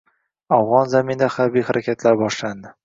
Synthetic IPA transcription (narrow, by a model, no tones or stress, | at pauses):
avʁɒnzamind̪aχaɾbijhaɾʔakʲʰat̪ʰlaɾbɒʃland̪ɪ